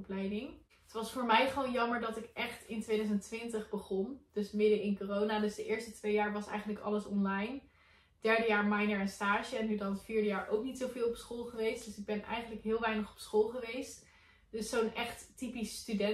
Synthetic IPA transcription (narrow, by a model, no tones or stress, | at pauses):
plɛjdɪŋ | ətʋɑsfʊːɹmɛjχəʋownjɑməɹdɑtɪkʔɛχtɪntʋejdœzəntʋɪntəχbəχɔnd̥ɵsmɪdəɪnkoːrownadɵsdəʔɪːɹstətʋejaːɹʋɑsɛ̰jχəntləkɑ̰ləsɔnlɑjn | d̥ɛɹdəjaːɹmɛjnəɹənstaːʒəɛnːydɑnətfiːɹdəjaːɹʔowknitsowvɪːlˠɔpsχolˠχəʋejstd̥ɵsɪɡ̚bɛnʔɛ̰jχənləkɦɪːlˠʋɛjnəχɔ̥psχolˠχəʋejst | d̥ɵsownʔɛχttipisːtydɛ